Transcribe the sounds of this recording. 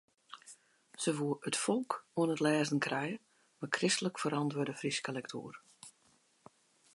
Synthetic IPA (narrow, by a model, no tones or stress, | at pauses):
səʋuəətfɔlˠkuənətlɛːzən̩kʰrɛjə | makrɪstələkfəɾɑntʋədəfriskəlɛktʰṵːr